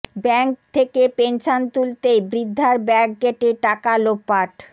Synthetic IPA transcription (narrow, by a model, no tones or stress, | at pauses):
bɛŋk̚t̪ʰekepenʃont̪ult̪ejbɾid̪ʱːaɾbɛk̚ɡeʈeʈakalopːaʈ